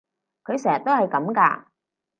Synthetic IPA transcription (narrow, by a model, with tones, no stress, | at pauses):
kʰɵ˨˧ɥsɛː˨˩t̪o˥whɐ˨˩jkɐ˨˥mka̰ː˧